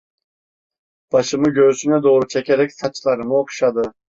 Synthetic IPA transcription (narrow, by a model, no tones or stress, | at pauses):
b̥ɑʃɯmɯɟøsynɛd̪o̞ːɾut͡ʃʰɛcʰeɾɛcsat͡ʃlˠaɾɯmɯokʃad̪ɯ